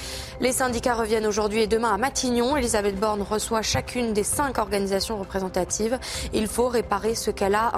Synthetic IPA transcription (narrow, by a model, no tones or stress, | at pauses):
lesɛ̃d̪ikaʁəvjɛnoʒuʁd̪ɥied̪əmɛ̃amat̪ʰiɲjɔ̃elizabɛt̪̚bɔʁnʁəswaʃakʰʲynd̪esɛ̃kɔʁɡanizasjɔ̃ʁəpχezɑ̃t̪at̪ʰivilfoʁepaʁesəkala